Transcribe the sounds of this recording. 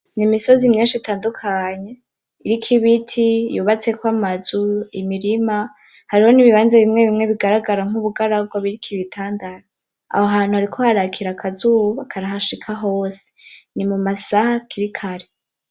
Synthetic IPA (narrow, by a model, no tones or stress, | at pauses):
nimiso̞zimɲinʃitaːndukʰaɲe̞ | iɾikʰiβitʰijuːβat͡se̞kwamazuimiɾima | haɾiho̞niβiβaːnzeβimŋe̞βimŋe̞βiɡaɾaɡaɾaŋ̥uβuɡaɾaɡwaβiɾikʰiβitʰaːndaɾa | a̰hoɦaːn̥huhaɾikʰo̞haɾakʰiɾakʰazuβuβakʰaɾaɦaʃikʰaɦo̞ːse̥nimumasahakʰiɾikʰaɾe